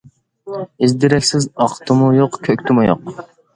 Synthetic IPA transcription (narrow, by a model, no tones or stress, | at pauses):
ɪzd̪ɪɾɛkʲsɪzɑqt̪ʰɨmujoqkʲʰøkʲt̪ʰɪmujo̰q